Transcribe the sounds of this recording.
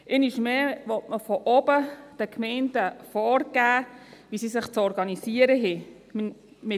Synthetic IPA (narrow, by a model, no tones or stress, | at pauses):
ʔɪniʃmɛːʋɔtməfɔʔɔbəd̥əkʰmɛɪntəfɔːɾɡ̥æːʋisisɪχt͡sɔɾɡɑnisiəɾəɦɛ | mɪ